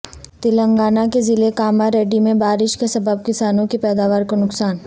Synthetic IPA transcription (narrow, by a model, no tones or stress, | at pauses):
t̪ɪlə̃ŋɡaːnakezɪlekaːmaɾeːɖimẽbaːɾɪʃkesɐbəb̚kɪsaːnõkipɛːd̪aːʋaːɾkonʊksaːn